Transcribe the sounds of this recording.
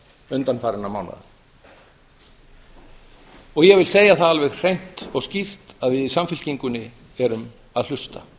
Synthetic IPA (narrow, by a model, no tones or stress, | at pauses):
ʏnt̪anfaːɾɪnamaːwna̰ð | ɔɣjɛɣvɪlseːjaθaðalvɛxr̥ejn̥t̪ɔɣscift̪aðvɪðisamfɪl̥ciŋkʏnːɪ | ɛɾʏm | aðlʏst̪a̰